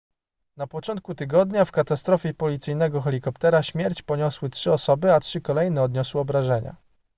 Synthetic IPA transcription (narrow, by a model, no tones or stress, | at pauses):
napɔt͡ʂɔnt̪̚kut̪ɘɡɔd̪ɲafkat̪ast̪ɾɔfʲjɛpɔlʲit̪sɘjnɛɡɔxɛlʲikɔpt̪ɛɾaɕmʲjɛɾt͡ɕpɔɲɔswɘtʂɘɔsɔbɘatʂɘkɔlɛjnɛɔd̪ɲɔswɘɔbɾaʐɛɲa̰